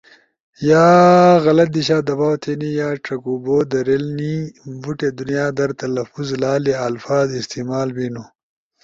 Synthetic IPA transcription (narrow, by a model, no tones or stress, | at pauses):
jaːɣɐlɐt̪̚d̪iɕaːd̪ɐbaːwt̪ʰenijaːʈ͡ʂɐkuboːd̪ɐɾelnibuʈed̪unjaːd̪ɐɾt̪ɐlɐfuzlaːleɐlfaːzɪst̪imaːlbinu